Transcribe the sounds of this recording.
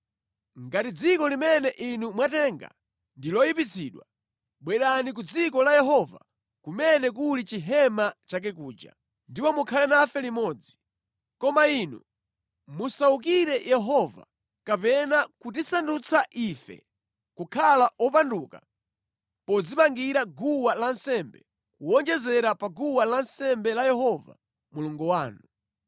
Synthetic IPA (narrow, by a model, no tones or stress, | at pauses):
ŋɡatid͡zikɔlimɛnɛʔinumwatɛːŋɡa̰ | ndilɔjipit͡sʰiːɗwa | ɓwɛɗanik̬ud͡zikɔlajɛɦɔva̰ | kumɛnɛk̬ulit͡ʃiɦɛmat͡ʃak̬ɛk̬uːd͡ʒa̰ | ndipɔmukʰalɛnafɛlimɔːd͡zi | kɔmaiːnṵ | musauk̬iɾɛjɛɦɔva̰ | kapɛnakut̬isandut͡sʰaʔiːfɛ̰ | kukʰalaʔɔpanduːka̰ | pɔd͡zimaŋɡiɾaɡuwalansɛmbɛ̰ | kuwɔnd͡ʒɛzɛɾapaɡuwalansɛmbɛlajɛhɔva̰ | muluŋɡɔwaːnu